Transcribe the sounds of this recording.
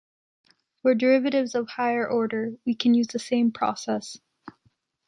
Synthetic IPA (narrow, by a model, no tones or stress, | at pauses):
wə˞də˞ɪvɨɾɪvzʌv̥haɪə˞ʔɔɹɾə˞wikʰɨ̃n̩jʉzðɨsẽɪ̃mpʰɹ̥ɔ̰sɛs